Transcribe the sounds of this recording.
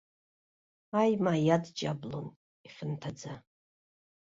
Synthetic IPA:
ajmaːjadd͡ʒablon | iχʲɪntʰad͡za

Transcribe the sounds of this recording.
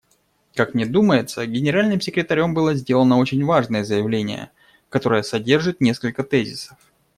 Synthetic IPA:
kakmnʲed̪uməjɪt̪səɡʲɪnʲɪɾalʲnɨmsʲɪkɾʲɪt̪ɐɾʲo̞mbɨlˠəzʲdʲe̞lˠənəo̞t͡ɕɪnʲvaʐnəjəzəjɪvlʲenʲɪ̰jə̰ | kɐt̪o̞ɾəjəsɐdʲe̞rʐɨt̪nʲe̞skəlʲkət̪ɛzʲɪsə̥f

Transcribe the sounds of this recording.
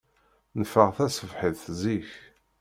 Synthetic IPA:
nəfːəʁθæsəvħiðθziç

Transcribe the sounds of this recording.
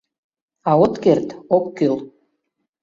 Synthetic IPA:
ɑot̪kert̪okːøl

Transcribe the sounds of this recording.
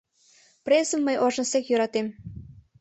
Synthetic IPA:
presəmːəjʔoʒəsekjøɾɑt̪em

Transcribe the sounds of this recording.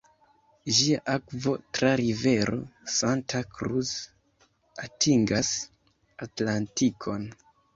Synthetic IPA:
ʒiaʔakvo̞tɾaɾive̞ɾo̞̰santʰakɾus | atʰiŋɡas | atlantikʰo̞n

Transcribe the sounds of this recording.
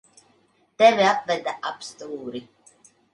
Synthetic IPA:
t̪ɛviapvɛd̪aapst̪uːɾi

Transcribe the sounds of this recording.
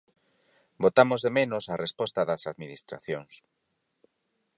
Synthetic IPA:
bot̪amozðemenʊsarespɔst̪ɐðɐsaðminist̪ɾa̰θjoŋs

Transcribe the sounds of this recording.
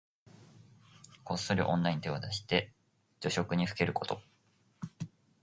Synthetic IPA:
ko̞sːoɾʲiʔõ̞nːaĩɲt̪e̞od̪aɕi̥t̪e̞ | d͡ʑo̞ɕo̞kɯ̟ɲ̟iɸɯ̟̥ke̞ɾɯ̟ko̞̥t̪o̞

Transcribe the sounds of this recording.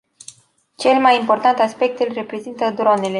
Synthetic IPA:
t͡ʃe̞lmajimpo̞rt̪ant̪aspe̞k̚t̪ɨlʲre̞pɾe̞zint̪əd̪ɾo̞ne̞le̞

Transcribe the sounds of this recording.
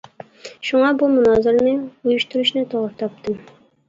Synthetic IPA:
ʃuŋɑbumunɑzɨɾnɪŋujuʃt̪uɾuʃnɨt̪ʰoʁɾt̪ʰɑp̚t̪ʰɨm

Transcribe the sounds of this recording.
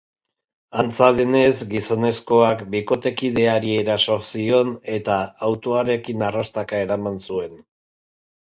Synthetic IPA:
ant͡saðene̞zɡiso̞ne̞sko̞akbiko̞t̪e̞kiðe̞aɾie̞ɾaso̞sio̞ne̞t̪aːwt̪o̞aɾe̞kinarast̪akae̞ɾamansue̞n

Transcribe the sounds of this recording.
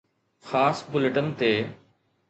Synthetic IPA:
xaːsbʊlɪʈənt̪eː

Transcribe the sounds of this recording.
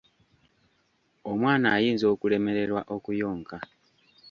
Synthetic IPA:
omwaːnaːjiːnzo̞ːkule̞me̞ɾe̞ɾwaʔo̞kujo̞ːŋka

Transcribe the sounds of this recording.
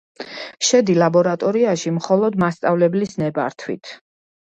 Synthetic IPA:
ʃɛd̪ilabɔɾat̪ʼɔɾiaʃimχɔlˠɔd̪mast̪sʼavlɛblisnɛba̰ɾt̪ʰwḭt̪ʰ

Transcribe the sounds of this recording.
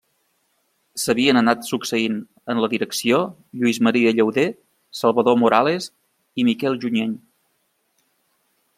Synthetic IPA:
səβiənənat̪suksəin | ənləðiɾəksio | ʎuizməɾiəʎəwðe | səlˠβəðomuɾales | imikɛlˠʒuɲeɲ

